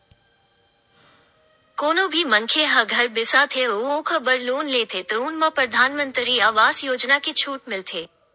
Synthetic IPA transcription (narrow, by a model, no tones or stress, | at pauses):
koːnõbʱimɐŋkʰeɦɐ̃ɡʱɐɾbɪsat̪ʰeoõkʰəbəɾloːnleːt̪ʰet̪oʊnmãpɾɐd̪ʱaːnmə̃nt̪ɾiaːʋaːsjoːd͡ʒnaket͡ʃʰuːʈmɪlt̪ʰeː